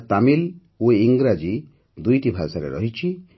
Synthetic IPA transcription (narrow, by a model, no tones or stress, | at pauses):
t̪amil | ueiŋɡɾad͡ʒi | d̪ujʈibʱasaɾḛɾɔɦit͡ʃʰi